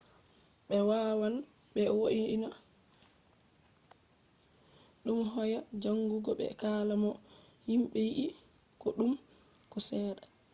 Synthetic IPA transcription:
ɓɛwaːwan | ɓɛwoʔiina | ɗumɦɔjad͡ʒaŋɡuɡɔɓɛ̰kaːlamɔ | himɓɛjiʔi | kɔɗum | kɔsɛːɗa

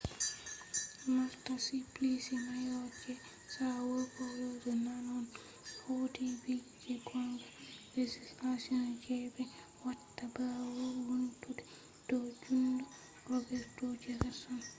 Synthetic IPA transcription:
maɾtasiplisinajɔd͡ʒɛ | sawɔɾkɔwod͡ʒɛnanɔn | hodibi | d͡ʒɛɡɔŋɡaled͡ʒislasiɔnd͡ʒɛbɛ | watːabawoɾhuntudɛ | d̥ɔd͡ʒundɔ | rɔbɛɾtɔd͡ʒɛɾɛsɔn

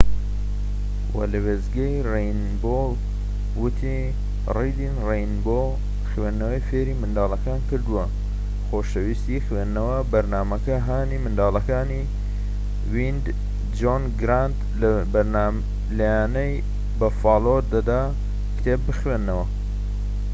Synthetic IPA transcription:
wɐ̰lɨwezɡɐjrejn | bol | wɨt̪ʰi | rejd̪inrejnbo | xwenːɐwɐjfeːɾiːmɨnd̪aːlˠɐkaːnkɨɾd̪uwɐ | xoːʃɐwist̪ixwenːɐwɐbɐɾnaːmɐkɐɦaːnimɨnd̪aːlɐkaːni | wind̪ | d͡ʒonɡɾant̪ | lbɐɾna | lɐjaːnɐj | bɐfaːloɾd̪ɐd̪a | kt̪ʰeːp̚bɨxwenːɐwɐ

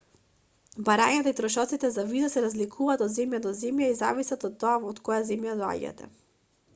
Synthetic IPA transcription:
baɾaɲat̪ait̪ɾɔʃɔt̪sit̪ɛzavizasɛɾazlikʰuvaːt̪od̪zɛmjad̪ɔzɛmjaiza̰visat̪ot̪ːɔavɔt̪kɔjazɛmjad̪ɔa̰ɟa̰t̪ɛ̰

